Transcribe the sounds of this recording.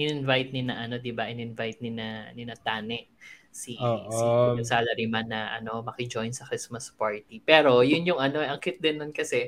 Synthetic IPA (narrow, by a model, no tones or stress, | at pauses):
ʔɪnɪnvajt̪̚nɪnɐʔɐno̞d̪ɪbɐʔɪnɪnvajt̪̚nɪnɐnɪnɐt̪aːnɛʔ | siʔiɐsaːlɐɾimanːɐʔɐ̰no̞mɐkɪd͡ʒo̞jnsɐkɾismɐspaɹt̪ipɛːɾo̞jʊnjʊŋɐno̞ɛʔɐŋkɪt̪̚d̪ɪnːʊnkɐsɛ